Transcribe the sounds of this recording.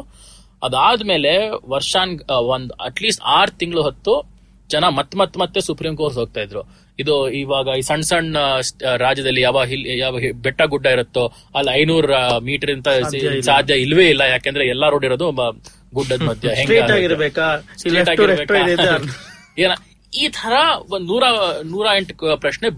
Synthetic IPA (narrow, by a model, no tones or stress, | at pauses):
ɐ̰d̪aːd̪me̞ːle̞ʋɐɾʂaːnond̪ɐ̰ʈliːsʈaːɾt̪iŋɡɐɭuɦɐt̪ːu | d͡ʒɐnɐmɐt̪ːmɐt̪ːmɐt̪ːesupɾiːmko̞ːɾsɦo̞ːɡ̚t̪aːjid̪ɾu | id̪uiʋaːɡɐisɐɳɖsɐɳɖsɾaːd͡ʒjɐd̪ɐlːijaːʋaːɡɦiljaːʋbɛʈːɐɡuɖːɐiɾut̪ːu | ɐlːɐjnuːɾmiːʈɐɾint̪ɐsaːd̪ʱjɐilʋeːilːɐjaːkeːnd̪ɐɾeɛlːɐɾoːɖiɾoːd̪u | ɡuɖːɐmɐd̪ʱjɐɦeŋɡɾeːaːɡiɾbeːkaseːʈaːɡiɾeːk̪e | eːnɐ | iːt̪ʰɐɾɐnuːɾanuːɾaːeɳʈpɾɐʃɳe